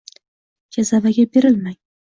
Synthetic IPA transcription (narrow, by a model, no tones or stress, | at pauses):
d͡ʒazavaɡʲabe̞ɾɪlmaj